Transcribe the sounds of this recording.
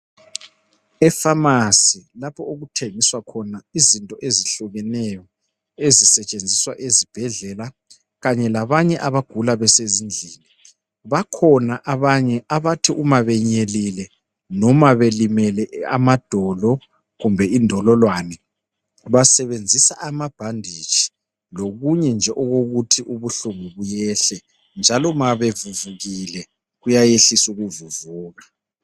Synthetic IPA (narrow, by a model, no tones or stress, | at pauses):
ɛfamasilapʰɔoɣutʰeŋiswakʰɔnaizintʼɔʔeziɬuɣɛnɛjɔ | ezisɛt͡ʃʼend͡zʱiswaʔezib̥ʱɛɮɛla | ɣaɲɛlaβaɲɛʔaβaɡ̥ʱulaβɛsezind͡ɮʱini | βakʰɔnaʔaβaɲɛʔaβatʰiʔumaβɛɲelilɛ | nɔmaβelimɛlɛa̰mad̥ʱɔlɔ | ɣumbʱɛindʱɔlɔlwanɛ | βasɛβend͡zʱisaʔamab̥ʱandʱit͡ʃʰi̥ | loɣuɲɛnd͡ʒʱɛʔɔɣoɣutʰiʔuβuɬuŋuβujɛɬɛ | nd͡ʒʱalɔmaβevuvuɣilɛ | ɣujajeɬisuɣuvuvuːɣa